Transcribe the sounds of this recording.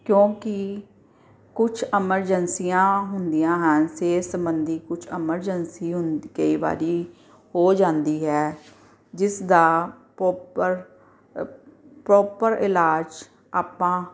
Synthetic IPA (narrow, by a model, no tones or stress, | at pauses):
kjõːkɪ | kʊt͡ʃʰɪməɾd͡ʒənsijãːɦʊnd̪ijãːɦənseːsəmbənd̪iːkʊt͡ʃʰɪməɾd͡ʒənsiːɦʊnkəiːba̰ːɾiː | hoːd͡ʒãːnd̪iːɦɛː | d͡ʒɪsd̪aː | pəɾ | pɾɔːpəɾɪlaːd͡ʒ | aːpãː